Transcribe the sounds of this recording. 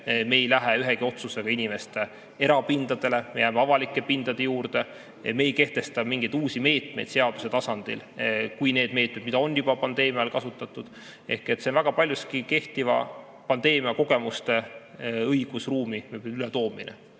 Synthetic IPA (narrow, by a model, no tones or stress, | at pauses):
me̞ːjlæɦeyɦeɡ̥io̞t̪suse̞ɡ̥ɑinʲime̞st̪e̞ | e̞ɾɑpind̪̥ɑd̪e̞lemejæːmeɑvɑlikːˑe̞pind̪̥ɑd̪e̞juːɾd̪̥e | me̞ːjke̞ht̪e̞st̪ɑmiŋɡ̥ejd̪̥uːsime̞ːt̪mejd̪seɑd̪̥use̞t̪ɑsɑnd̪̥ḭlkujneːd̪̥me̞ːt̪̚med̪mid̪ɑo̞njubɑpɑnd̪̥e̞ːmiɑlkɑsut̪ːˑɑt̪ːˑud̪̥ | e̞̰hke̞t̪ːsenvæɡ̥ɑpɑlʲjuskike̞ht̪ivɑ̰ | pɑnd̪̥e̞ːmiɑko̞ɡ̥e̞must̪e̞ɤjɡ̥usruːmiylet̪o̞ːmḭnḛ